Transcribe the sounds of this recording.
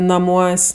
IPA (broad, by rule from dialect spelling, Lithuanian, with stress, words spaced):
nɐˈmuɔsʲ